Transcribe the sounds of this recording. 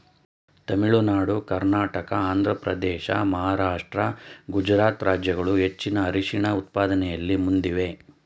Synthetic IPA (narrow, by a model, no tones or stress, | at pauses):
t̪ɐmiɭunaːɽukɐɾnaːʈɐkɐaːnd̪ʱɾɐpɾɐ̰d̪ɛːʃɐ̰mɐɦaːɾaːʂʈɾɐɡud͡ʒɾaːt̪ɾaːd͡ʒjɐɡɐɭuɦe̞t͡ʃːinɐːɾiʂiɳɐut̪̚paːd̪ɐnɛjɐlːimund̪iʋe̞